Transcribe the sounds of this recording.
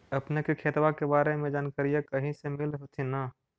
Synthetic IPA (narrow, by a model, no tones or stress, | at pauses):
ɐpnekikʰeːt̪wakebaːɾemẽd͡ʒaːnkaɾijakɐɦĩsemɪlɦot̪ʰinaː